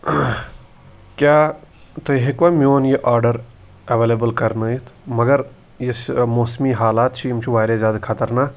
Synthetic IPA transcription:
kʲjaːt̪oɦekʋamʲoːnjeʔaːɾɖəɾ | ɐʋeːleːbəlkɐɾnəit̪ʰmɐɡəɾ | jesmoːsmiːɦaːlaːt̪t͡ʃʰiimt͡ʃʰuʋaːɾezaːd̪kʰat̪əɾnaː

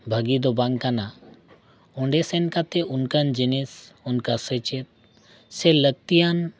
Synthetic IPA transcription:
bʱəɡid̪obaŋkana | uɳɖesenkat̪eʔunkənd͡ʒinis | unkasət͡ʃet̪̚ | selək̚t̪ijan

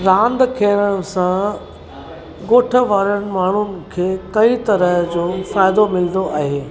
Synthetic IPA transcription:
ɾãːnd̪kʰeːɾəɽ̃sã | ɡoːʈʰə̆ʋaːɾəɽ̃ɪ̆maːɳ̤ʊnɪ̆kʰeːkɐit̪ɐɾəɦd͡ʑoːfaːɪd̪omɪl̃nd̪oʔaːɦeː

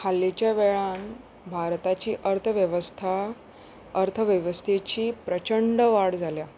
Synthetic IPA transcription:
hʰalːet͡ɕjaʋɛɭãn | bʱaɾt̪at͡ɕiːʔəɾt̪ʰəʋjəʋəst̪ʰa | əɾt̪ʰəʋjəʋəst̪ʰet͡ɕiːpɾət͡ɕəɳɖəʋaɽd͡zʱalja

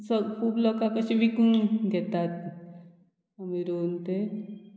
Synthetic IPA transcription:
səpublɔkakəɕiʋʱikunɡʱɛt̪at̪̚ | əmiɾoːnt̪e

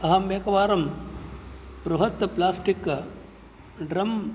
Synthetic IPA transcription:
ɐɦɐmʋeːkɐʋaːɾɐm | pɾuɦɐt̪ːɐplaːsʈik | ɖɾɐm

